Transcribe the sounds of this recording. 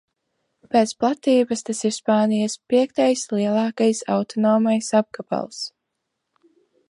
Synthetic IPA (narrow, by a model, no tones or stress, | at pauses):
pɛːt̪splˠat̪iːbast̪asiɾspaːnijaspiɛkt̪ajsliɛlˠɑːkajsa̰wt̪ʰɔnɔːmajsab̚kaba̰lˠs